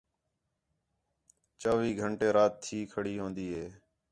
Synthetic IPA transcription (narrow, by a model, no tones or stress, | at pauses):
t͡ʃəʋiːɡʱəɳʈeːɾaːt̪ʰːiːkʰəɽiːɦõːnd̪iːɦeː